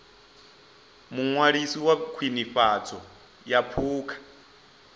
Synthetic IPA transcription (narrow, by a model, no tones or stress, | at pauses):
muŋwaɺisiwakʰwiniɸat͡sʰɔ | japʰuːkʰḁ